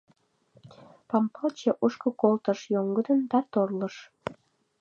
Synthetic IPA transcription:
pɑmpɑlt͡ɕeʔuʃkokolt̪əʃjoŋɡəd̪ənd̪ɑt̪orləʃ

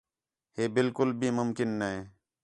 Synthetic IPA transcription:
heːbɪlkʊlbʱiːmʊmkɪnːəɦeː

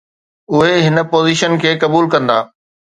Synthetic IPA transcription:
ʊɦeɦɪnə̆poːziːʃənkʰeːkɐbuːlkɐ̃nd̪aː

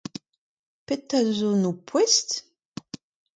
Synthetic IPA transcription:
pet̪ːazunupʰːwɛst̪

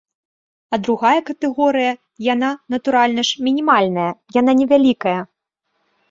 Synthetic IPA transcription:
ɐd̪ɾuɣajɐkɐt̪ɛɣɔɾɨjɐ | jananɐt̪uɾalʲnɐʂmʲinʲimalʲnɐjɐjan̪anʲɛvʲalʲikɐjɐ

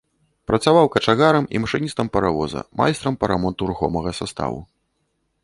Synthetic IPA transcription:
pɾɐt̪savawkɐt͡ʂaɣaɾɐmḭmɐʂɨnʲist̪ɐmpɐɾavɔzɐ̰ma̰jst̪ɾɐmpɐɾamɔnt̪uɾuxɔmɐɣɐsast̪a̰vṵ

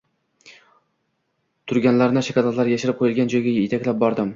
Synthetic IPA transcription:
t̪ʰʊɾɡʲanlaɾnɪʃakʲalat̪laɾjaʃɪɾɪp̚qʰojɪlˠɡʲand͡ʒɒjɡʲajet̪ʰakʲlap̚bɒɾd̪ɪm

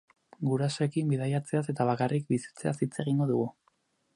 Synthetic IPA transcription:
ɡuɾaso̞e̞kimbiðajat͡se̞ase̞t̪aβ̞akarik̚bisi̥t͡se̞asit͡se̞ɣiŋɡo̞ðuɣu

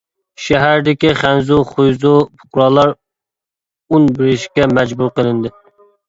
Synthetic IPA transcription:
ʃɛɦæɾd̪ɪkʲiχænzuχujzupʰʊ̥qɾɑlˠɑɾ | unbɪɾɪʃkʲɛmɛd͡ʒbuɾqəlˠɪnd̪ɪ

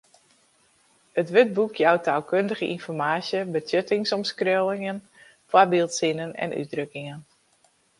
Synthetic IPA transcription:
ətʋøt̚bukʰjawtʰaːlˠkʰøndəɣəʔinfɔrmaːsjəbətʰjøtɪŋsɔmskrølɪŋən | fwabɪlˠtsɪnənɛ̰nʔy̰t̚drøkɪŋən

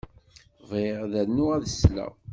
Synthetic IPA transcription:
veʁðænːuæðəslæ̰

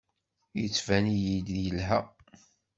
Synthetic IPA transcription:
jət͡sːvænijid̪jəlɦæ

